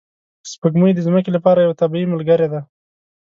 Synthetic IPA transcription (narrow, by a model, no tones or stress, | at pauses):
spəɡmujd̪əzməkelapɑɾajawat̪abiiməlɡaɾed̪a